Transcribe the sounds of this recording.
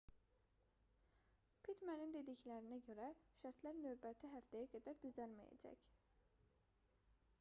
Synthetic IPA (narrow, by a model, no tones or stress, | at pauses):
pʰit̪mænind̪e̞d̪içlæɾinæɟøɾæʃæɾt̪ʰlæɾnøːbæt̪ʰiɦæft̪æjæɡæd̪æɾd̪yzælmæ̰jæ̰d͡ʒæ̰c